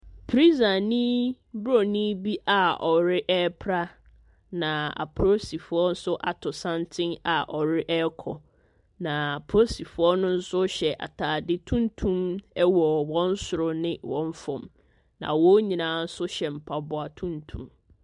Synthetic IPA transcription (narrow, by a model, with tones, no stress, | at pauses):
pʰɾi˦za˨nĩ˦ | bɾo˨nĩ˦bi˦ʔa˨ɔ˨ɾɪ˦ʔɛ˦pʰɾa˦ | nã˨a̰˨pʰɾo˦si˨fʊ˦ɔ˦n̩˦sʊ˦ʔa˨tʰʊ˨sã˦ntʰɪ̃˦ŋa̰˨ʔɔ˨ɾɪ˦ʔɛ˦kʰɔ˨ | nã˨a˨pʰɾo˦si˨fʊ˦ɔ˦nʊ̃˦n̩˦sʊ˦ɕɛ˨ʔa̰˨tʰaː˨dɪ˦tʰũ˦n˦tʰũ˦mɛ˦wɔ˨wɔ̃˦n˦sʊ˨ɾʊ˨nɪ̃˦wɔ̃˦ɱ˦fɔ̃˨m | nã̰˨wɔ˦ɲĩ˨nãː˨˦n̩˦sʊ˦ɕɛ˨m̩˨pʰa˨bʊ˨a˨tʰũ˦ntʰṵ̃˨m